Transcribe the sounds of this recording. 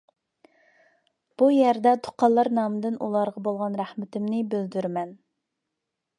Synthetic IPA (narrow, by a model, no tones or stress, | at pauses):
b̥ujɛɾd̪ɛt̪ʰo̥qʰɑlˠːɑɾnɑːmɨd̪ɪnṵlˠɑɾʁɑbolˠʁɑnɾæχmɪt̪ʰɪmnɪbøld̪yɾmɛn